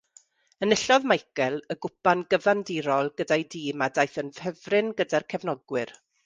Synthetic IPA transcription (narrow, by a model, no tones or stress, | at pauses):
ənəɬɔðmajkɛlˠəɡʊpanɡəvandiɾɔlˠɡədajdiːmadajθənvəvrɪnɡədarkʰɛvnɔɡwɪr